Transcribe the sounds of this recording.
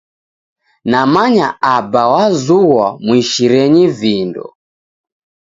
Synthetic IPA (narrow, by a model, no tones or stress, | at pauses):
namaɲaabawazuwamwiʃiɾɛɲivindɔ̰